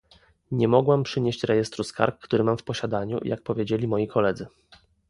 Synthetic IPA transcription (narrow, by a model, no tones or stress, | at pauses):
ɲɛmɔɡwampʂɘɲeɕt͡ɕɾɛjɛst̪ɾuska̰ɾkːt̪uɾɘmamfpɔɕad̪aɲṵjʔa̰k̚pɔvʲjed͡ʑelʲimɔjikʰɔlɛd̪zɘ